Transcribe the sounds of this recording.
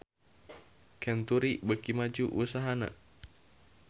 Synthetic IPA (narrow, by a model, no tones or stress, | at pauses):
kɛnt̪uɾibəkimad͡ʒuʔusaɦana̰